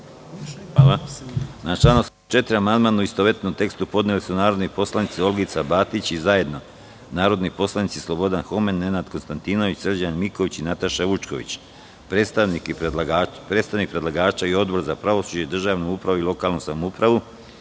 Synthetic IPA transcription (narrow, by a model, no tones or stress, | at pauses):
ʋaːlanat͡ʃlˠaːnus | t͡ʃe̞t̪ɾiamand̪maːnauist̪oʋet̪nomt̪e̞kst̪upo̞d̪nelisunaːɾo̞d̪nipo̞slˠanit̪sio̞lɡit̪sabaːt̪it͡ɕizaje̞d̪no̞ | naːɾo̞d̪nipo̞slˠanit̪sislˠo̞bo̞d̪anxo̞menːe̞nad̪ko̞nst̪ant̪ino̞ʋit͡ɕsr̩d͡ʑanmiko̞ʋit͡ɕinat̪aʃaʋut͡ʃko̞̰ʋḭt͡ɕ | pɾest̪anikː | pɾet̪st̪aʋnik̚pɾe̞d̪lˠaɡaːt͡ʃaio̞d̪bo̞ɾzapɾaʋo̞suːd͡ʑed̪r̩ʒaːʋnuupɾaʋoilˠo̞kaːlˠnusamoupɾaʋu